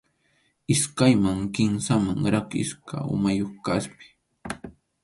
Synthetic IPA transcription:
ɪskajmaŋkɪnsamaŋɾakɪ̰ska̰ʊ̰majoχkaspɪ̥

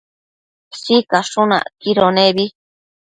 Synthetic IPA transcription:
sikaʂũnã̰kiɾonẽβi

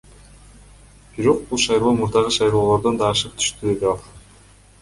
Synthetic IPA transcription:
b̥iɾo̞q̚bulˠʃɑjɾˠoːmuɾd̪ɑʁɯʃɑjɾoːlˠo̞ɾd̪ond̪ɑːʃɯqt̪ʰy̥ʃt̪yd̪eɡeɑlˠ

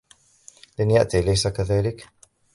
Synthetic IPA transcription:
lanjaʔt̪ilajsakaðaːlɪk

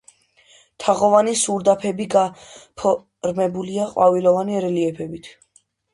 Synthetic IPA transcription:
t̪ʰaʁɔvanisuɾd̪apʰɛbiɡapʰɔ | ɾmɛbuliaqʼwavilɔvaniɾɛliɛpʰɛbit̪ʰ

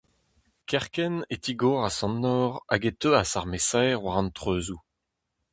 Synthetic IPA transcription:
kɛʁkɛnet̪iɡɔʁasɑ̃nːɔːʁa̰ɡet̪øasaʁmesajʁwaʁɑ̃nt̪χøːzu

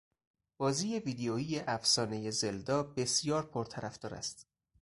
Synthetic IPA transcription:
b̥ɒːziːje̞viːd̪eoiːjeʔæfsɒːne̞je̞zeld̪ɒːbe̞sjɒːɾpʰoɾt̪ʰæɾæfd̪ɒːɾæ̰st̪

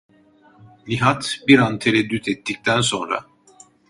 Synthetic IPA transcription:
lʲiɦat̪biɾant̪ʰeɾɛd̪ːyt̪ʰɛt̪ːic̚t̪ʰænso̞nɾa̰

